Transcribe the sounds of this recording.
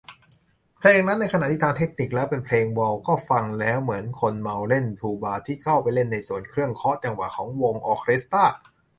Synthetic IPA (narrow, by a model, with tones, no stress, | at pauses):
pʰleː˧ŋna˦˥nːa˧jka˧a˨t̪iː˥˩t̪ʰaː˧ŋt̪ʰe˦˥k̚ni˨˩k̚lɛː˦˥wpe˧npʰleː˧ŋwɔ˧wkɔː˥˩fa˧ŋlɛː˦˥wmɯ˩˦ənkʰo˧nma˧wle˥˩nt̪ʰuː˧˩baː˧t̪ʰiː˥˩kʰa˥˩wpa˧jle˥˩nːa˧jsu˨˩ənkʰɾɯ˥˩əŋkʰɔ˦˥ʔt͡ɕa˧ŋwa̰ː˨˩kʰɔː˩˦ŋwo˧ŋʔɔː˧kʰɾi˦˥st̪aː˥˩